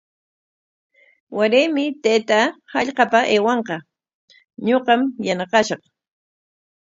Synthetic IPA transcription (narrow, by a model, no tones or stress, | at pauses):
waɾemɪt̪ajt̪ahɑʎqɑpaʔeːwɑɴqɑ | ɲoqɑmjanɑqɑʃɑχ